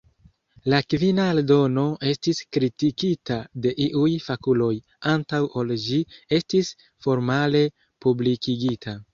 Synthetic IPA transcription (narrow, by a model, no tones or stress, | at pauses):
lakvinaeldo̞no̞ʔe̞stiskɾitikitade̞ʔiʔujfakulo̞j | antawʔo̞ld͡ʒie̞stis | fo̞ɾmale̞ | publikiɡitʰa